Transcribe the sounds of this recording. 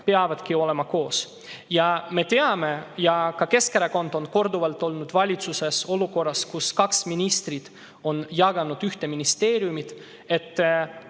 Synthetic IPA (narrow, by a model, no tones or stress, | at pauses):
pe̞ɑvɑd̪̥kio̞le̞mɑko̞ːs | jɑme̞t̪e̞ɑme̞jɑkɑke̞skeɾeko̞nd̪̥o̞nko̞rd̪uvɑlt̪ːˑo̞lnud̪̥vɑlʲit̪suse̞so̞luko̞rːɑskuskɑksminist̪rid̪̥ | o̞njɑɡ̥ɑnud̪̥yht̪e̞minist̪e̞ːɾijumid̪̥ | e̞t̪ː